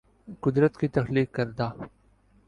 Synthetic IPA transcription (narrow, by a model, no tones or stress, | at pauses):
qʊd̪ɾət̪kit̪ɐxliːkːɐɾd̪aː